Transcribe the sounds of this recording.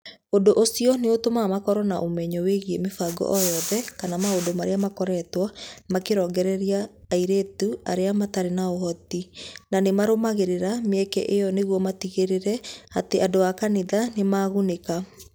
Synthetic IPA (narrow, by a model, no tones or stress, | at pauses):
ondoʔosiɔneotomamakɔɾɔnaʔomɛɲɔweɣiemefaɡɔ̰ʔɔjɔðɛkanamaodomaɾeamakɔɾɛtwamakeɾɔːŋɡɛɾɛɾiaːiɾetuaɾeamataɾenaohɔtinanemaɾomaɣeɾeɾameɛkɛ̰ʔejɔneɣwɔmatiɣeɾeɾɛateadoakaneðanemaɣuneka